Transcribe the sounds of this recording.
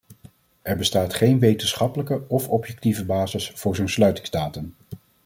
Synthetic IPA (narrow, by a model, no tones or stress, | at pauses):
ʔɛɹbəstaːtχejnʋejtənsχɑpələkəɔfɔpjɛk̚tivəbaːzɪsfʊːɹzownslœɥtɪŋzdaːtən